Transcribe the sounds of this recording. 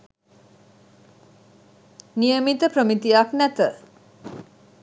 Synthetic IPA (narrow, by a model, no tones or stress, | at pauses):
nijəmit̪əpɾəmit̪ijaknæt̪ə